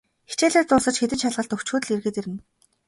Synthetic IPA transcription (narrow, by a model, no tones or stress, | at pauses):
xit͡ɕeːɮeːrt͡sʊːrsə̆t͡ɕxet̪ɘ̆t͡ɕʰaɮʁə̆ɬt̪ɵxt͡ɕxuːt̪ɘ̆ɮirɣeːt̪eɾɘ̆n